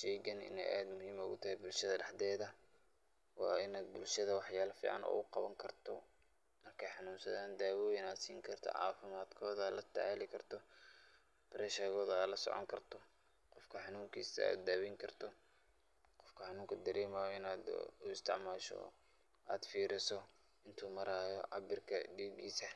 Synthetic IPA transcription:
ʃɛːɡɐnɪ̰nɛ̰jʔaːd̪mʊhiːmʊɣʊt̪ʰɐɦɛbʊlʃɐðɐɖɑħd̪ɛːðɐ | wɑ̰ːɪnaːd̪̚bʊlʃɐðɐwɑħjaːlɐfḭːʕɑ̰nɔ̰ːʊqɑβɐŋkʰɐrt̪ʰɔ | mɐrkʰɐjħɑnuːnsɐðaːnd̪aːwɔːjɪnaːd̪siːŋkʰɐrt̪ʰɔ̰ʕɑ̰ːfɪmaːd̪kʰɔːðɐlɐt̪ʰaʕalɪkʰɐrt̪ʰɔ | bɾɛʃɐɣɔːðɐalɐsɔ̰ʕɔ̰ŋkʰɐrt̪ʰɔ | qɔfkʰɐħɑnuːŋkʰiːsɐa̰ːd̪aːwɪŋkʰɐrt̪ʰɔ | qɔfkʰɐħɑnuːŋkʰɐd̪ɐɾɛːmɐjɔɪnaːd̪ʊɪst̪ʰɪʕmaːʃɔ̰ | ʔaːd̪fiːɾɪsɔ | ɪnt̪ʰuːmɐɾaːjɔʕɑ̰bɪrkʰɐ̰ɖiːɡiːsɐ

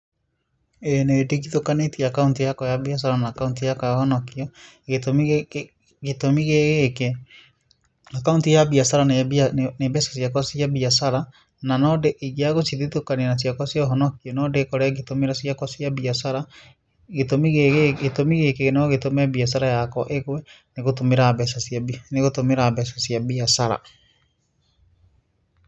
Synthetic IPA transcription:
enediɣitokanetiaakauntijakɔjaβias̬aɾanaːkauntijakɔjahɔnɔkiɔ | ɣetom | ɣetomiɣeɣeke | akauntijabiasaɾanenebɛsḁsiakwasiabiasaɾa | nanɔdeʔiɣeaɣosiðetokaneanas̬jakwasiɔɦɔnɔkiɔnɔdekɔɾɛɣetomeɾasiakwɔsiabiasaɾa | ɣetomiɣeɣetomiɣekeɣenaɔɣetomɛbias̬aɾajakɔʔeɣwɛ | neɣotomeɾabɛsasneɣotomeɾabɛsasiabiasaɾa̰

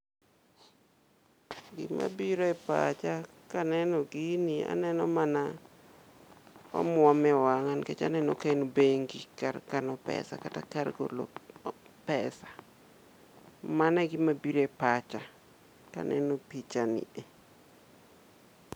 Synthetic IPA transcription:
ɡɪ̰ma̰biɾoɛpa̰t͡ʃa | kanɛnɔɡinia̰nɛnɔmana | wa̰mwɔmɛwaŋanket͡ʃa̰nɛnɔkanobeŋɡikarkanɔpɛ̰sa̰kata̰karɡo̰lo̰ | pɛsḁ | manɛɡɪmabiɾoepat͡ʃa | ka̰nɛ̰nopit͡ʃanɪ̰e

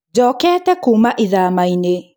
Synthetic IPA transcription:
d͡ʒɔkɛatɛkumaʔiðamaine

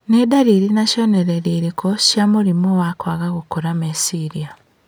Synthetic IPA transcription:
nedaɾiɾinaʃoneɾeɾiɾikoʃjamuɾimowakwaɣaɣukoɾamesiɾia

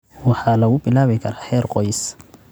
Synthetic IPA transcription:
wɑħɑːlɐɣʊbɪlaːβɪkʰɐɾaːħɛːrqɔjs

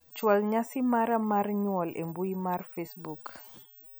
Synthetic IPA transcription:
t͡ʃwalɲasimaɾamaɾɲwɔlʔɛ̰mbuimaɾfesbuk

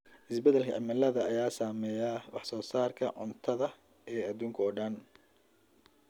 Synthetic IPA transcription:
ʔɪsbɛd̪ɛlkʰɐ̰ʕɪ̰mɐlɐðɐːjaːsaːmɛːjaːwɑħsɔːsaːrkʰɐʕʊnt̪ʰɐðɐ | ɛːɐðuːŋkʰɐɔːɖɐn

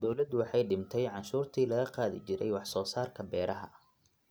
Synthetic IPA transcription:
d̪̥ɔwlɐd̪wɑħɑjɖɪmt̪ʰɛjʕɑnʃuːrt̪ʰiːlɐɣɐqɑːðɪ̰t͡ʃɪɾɛ̰jwɑħsɔːsaːrkʰɐbɛːɾʔɐɦɐ

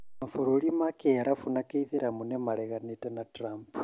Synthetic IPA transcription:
mafuɾolimakeaɾʔafunakeiðiɾamunemaleɣanitenatɾamp

